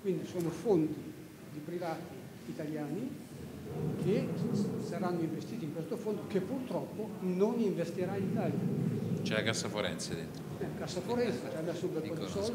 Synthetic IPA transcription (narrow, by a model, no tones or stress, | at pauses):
kwind̪isoːnofont̪i | d̪ipɾivaːt̪iː | t̪aljaːni | kesaɾanːoiɱvest̪iːt̪iŋkwest̪ofond̪okepːurt̪ɾɔpːononiɱvest̪iɾainit̪aːljat͡ʃɛ̰kasːafoɾɛ̰nt̪sed̪ḛnt̪ɾoɛkasːafoɾɛnt̪set͡ʃɛamːɛsːombeɾpɔd̪isɔl